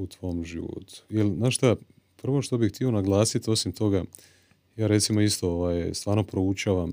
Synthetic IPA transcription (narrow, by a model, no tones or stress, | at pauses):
ut̪ʋo̞mʒiʋo̰t̪ʰu̥jelznaːʃt̪a | pr̩ʋo̞ʃt̪o̞bit̪io̞naɡlˠaːsit̪o̞simt̪o̞ɡa | jaːɾe̞t̪simoist̪o̞oʋaːjst̪ʋaːɾno̞pɾo̞ut͡ʃaːʋam